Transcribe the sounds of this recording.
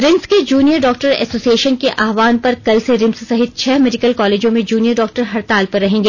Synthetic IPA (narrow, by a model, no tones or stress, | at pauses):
ɾɪmsked͡ʒuːnijəɾɖɔːk̚ʈəɾɛ̰ːsoːsieːʃənkeʔʔaːʋaːnpɐɾkɐlseɾɪ̃mssɐɦɪt̪̚t͡ʃʰɛːmɛːɖɪkəlkɔːleːd͡ʒõmẽd͡ʒuːnijəɾɖɔːk̚ʈəɾɦɐɾt̪aːlpɐɾːɐɦẽːŋɡeː